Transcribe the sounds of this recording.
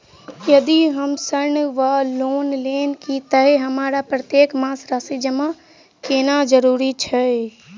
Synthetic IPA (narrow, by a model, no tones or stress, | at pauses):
jəd̪iɦəmsəɾnʋaloːnleːnkit̪əɦeɦəmaːɾapɾət̪jeːkmãːsɾasid͡ʒəma | keːnad͡ʒəɾuːɾit͡ʃʰɛ